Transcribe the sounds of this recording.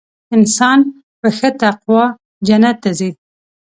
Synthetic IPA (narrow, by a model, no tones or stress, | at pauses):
ɪnsɑn | pəxət̪aqwɑ | d͡ʒanat̪ːazi